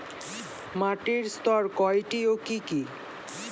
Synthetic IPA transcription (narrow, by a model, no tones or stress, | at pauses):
maʈiɾst̪ɔɾkɔjʈiokiki